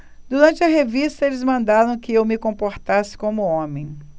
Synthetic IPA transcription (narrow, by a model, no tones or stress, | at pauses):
d̪uɾɐ̃t͡ʃɪɐɦevist̪ɐelɪzmɐ̃nd̪aɾɐ̃w̃kɪewmɪkõmpoɾt̪asɪ̥kõmʊõmẽj̃